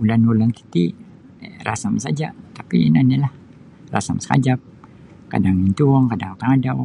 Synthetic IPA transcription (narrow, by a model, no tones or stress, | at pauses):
ulanulanki̥t̪i | ra̰samsad͡ʒa̰t̪apḭnanilah | ra̰sa̰msə̥ka̰d͡ʒap̚ | ka̰daŋint̪uŋkadaŋk̪aŋadaw